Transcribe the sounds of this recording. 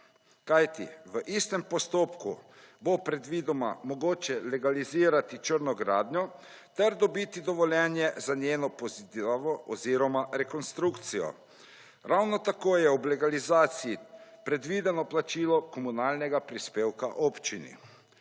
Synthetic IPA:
kajt̪ḭʋəʔist̪ɛmpɔst̪oːpkṵ | bopɾɛd̪ʋid̪ɔma̰mɔɡoːt͡ʃɛlɛɡaliziːɾat̪it͡ʃəɾnɔɡɾaːd̪ɲʲɔ | t̪ɛɾd̪ɔbit̪id̪ɔʋɔljɛnjɛzanjeːnɔpozit̪ʋɔʔɔziːɾɔmaɾɛkɔnst̪ɾukt̪sijɔ̰ | ɾawnɔt̪akoːjɛublɛɡalizaːt̪sijipɾɛd̪ʋid̪ɛnɔplat͡ʃiːlɔkɔmunaːlnɛɡapɾispeːwka̰ʔoːpt͡ʃinḭ

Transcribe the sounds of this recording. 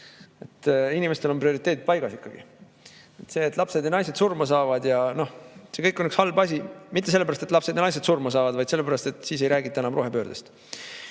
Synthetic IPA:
e̞t̪ːinime̞st̪e̞lo̞nprio̞ɾit̪ːˑe̞ːd̪id̪̚pɑjɡ̥ɑsikːɑɡ̥ḭ | et̪se̞ːt̪ːˑlɑpse̞d̪jɑnɑjse̞d̪̥surmɑsɑːvɑd̪jɑno̞hsekɤjkːˑo̞nykshɑlbɑsʲimit̪ˑːe̞lːeæɾɑst̪et̪lɑpse̞d̪jɑnɑjs̬e̞d̪̥surmɑs̬ɑːvɑd̪̥vɑjd̪selːe̞pæɾɑst̪e̞t̪ːˑsiːs̬e̞jɾæːɡit̪ːˑɑenɑmro̞ɦe̞pø̞ːɾd̪̥est̪

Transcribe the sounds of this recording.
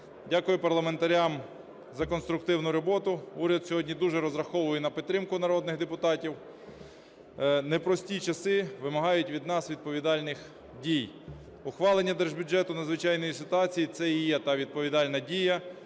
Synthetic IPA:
dʲakʊjʊpɐrlˠɐment̪ɐɾʲam | zɐkɔnst̪ɾʊkt̪ɪwnʊɾɔbɔt̪ʊuɾʲɐd̪sʲɔɦɔdʲnʲid̪uʒɛɾɔzɾɐxɔʋʊjɛnɐpʲɪt̪ːɾɪmkʊnɐɾɔd̪nɪɣd̪epʊt̪ɑtʲiw | nɛpɾɔsʲtʲit͡ʃɐsɪʋɪmɐɦɑjʊtʲʋʲid̪nɑsʋʲid̪̚pɔʋʲid̪ɑlʲnɪx | dʲij | ʊxʋɑlˠenʲːɐd̪ɛʒbʲʊd͡ʒɛt̪ʊnɐd̪zʋɪt͡ʃɑjnɔjisɪt̪ʊɑt͡sʲijit̪sɛijɛt̪ɑʋʲid̪̚pɔʋʲid̪ɑlʲnɐdʲijɐ

